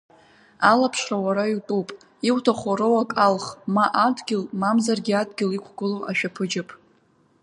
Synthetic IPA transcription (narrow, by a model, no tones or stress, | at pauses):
alapʰʂrawaɾaitʼupʼ | iwtʰaχʷaɾɨwakʼalχmaʔadɡʲɪlmamzarɡʲiadɡʲɪlikʷʰɡʷʊloʔaʃᶣapʰɨd͡ʒɪpʼ